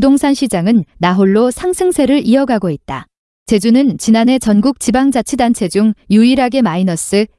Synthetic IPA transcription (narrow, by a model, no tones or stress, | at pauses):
udoŋsʰanɕʰid͡ʑaŋɯnːaɦoɭːosʰaŋsʰɯŋsʰe̞ɾɯɾiʌɡaɡoit̚t͈a̰ | t͡ɕe̞d͡ʑunɯnt͡ɕinane̞t͡ɕʌnɡuk̚t͡ɕibaŋd͡ʑat͡ɕʰidant͡ɕʰe̞d͡ʑuŋjuiɾaɡe̞mainʌs͈ɯ